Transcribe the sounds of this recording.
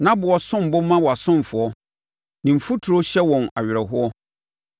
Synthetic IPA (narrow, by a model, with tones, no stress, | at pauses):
nã˦bʊ˨ɔ˨sʊ̃˦m˨bʊ˦mã˦wɔ˨a˨sʊ̃˦m˨fʊ˨ɔ˦ | nĩ˨m̩˨fu˦tʰu˨ɾo˦ɕɛ˦wɔ̃˨na̰˨ɥɪ˨ɾɛ˨ɦʊ˦ɔ˦